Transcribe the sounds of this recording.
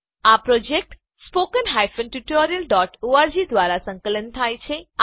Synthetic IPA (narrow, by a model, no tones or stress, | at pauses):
apɾod͡ʒek̚ʈ | spokənɦajfənʈuʈoɾijəlɖɔʈoaɾd͡ʒid̪ʋaɾasə̃ŋkələnt̪ʰajt͡ʃʰe